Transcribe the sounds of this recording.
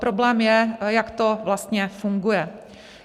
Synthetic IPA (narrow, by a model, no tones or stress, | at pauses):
pɾoblɛːmjɛjakt̪o̞vlast̪ɲɛfuŋɡujɛ